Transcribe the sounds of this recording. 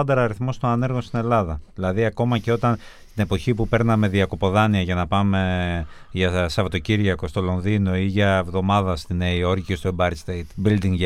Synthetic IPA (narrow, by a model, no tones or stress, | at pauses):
ɐnd̪ɐɾɐɾiθmo̞st̪o̞nɐne̞ɾɣo̞nst̪ine̞lɐðɐðilɐðiɐko̞mɐce̞o̞t̪ɐn | t̪ine̞po̞çipupe̞ɾnɐme̞ðiɐko̞po̞ðɐniɐʝɐnɐpɐme̞ | ʝɐsɐvɐt̪o̞ciɾʝɐko̞st̪o̞lo̞nðino̞iʝɐevðo̞mɐðɐst̪ineio̞ɾciist̪oebɐɾst̪ejt̪bild̪iŋʝ